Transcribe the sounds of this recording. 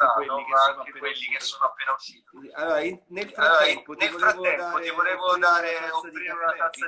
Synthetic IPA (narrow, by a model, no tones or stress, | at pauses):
at̪oaŋkwelːik̟esːoːnoapːeːnaut̪iːt̪alːoːɾainnelfalːɔɾainnelfɾatp̪ːɛmmːpot̪ivoɾeːvod̪aːɾeofɾimenakasa